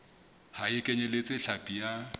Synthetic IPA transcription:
haɪkʼeɲɛlet͡sʼɪɬapʼija

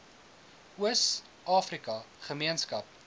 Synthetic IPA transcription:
əs | ʔɑːfrikɐχəmiənskɐp̚

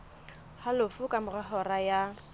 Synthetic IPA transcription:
halʊfʊkʼamʊrahɔraja

